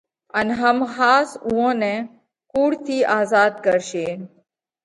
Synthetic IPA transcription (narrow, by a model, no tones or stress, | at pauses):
ənɦəmɦaːsũõːnẽ | kuːɽt̪ʰiːʔaːzaːd̪kəɾʃeː